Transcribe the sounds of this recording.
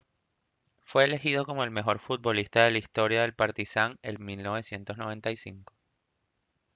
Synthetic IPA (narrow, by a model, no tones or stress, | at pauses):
fwe̞ːle̞xið̞o̞ko̞mo̞e̞lme̞xo̞ɾfut̪̚bo̞list̪aðe̞laist̪o̞ɾjaðe̞lpaɾt̪isaŋelmilno̞βe̞sje̞nt̪o̞zno̞β̞e̞nt̪aisiŋko̥